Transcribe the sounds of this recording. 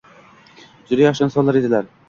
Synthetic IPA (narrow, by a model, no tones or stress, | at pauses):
zʊɾajɑʃansɒlˠːaɾed̪ɪlæɾ